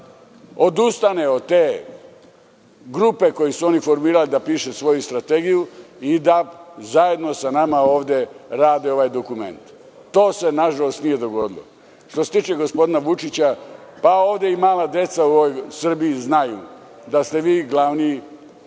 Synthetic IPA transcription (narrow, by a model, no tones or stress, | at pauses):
o̞d̪ust̪aneod̪t̪eː | ɡɾupe̞ko̞jisuo̞nifo̞ɾmiːɾalid̪apiːʃesʋo̞just̪ɾat̪e̞ɡijuid̪azaje̞d̪no̞sanamao̞ːʋd̪e̞ɾaːd̪eo̞ʋajd̪o̞kume̞̰nt̪ː | o̞ːse̞naʒalo̞st̪nije̞d̪o̞ɡo̞d̪ilˠo̰ | ʃt̪oset̪it͡ʃeɡo̞spo̞d̪inaʋut͡ʃit͡ɕapaoːʋd̪e̞imaːlad̪je̞t̪sauoojsr̩biiznajṵ | d̪ast̪e̞ʋiːɡlaʋni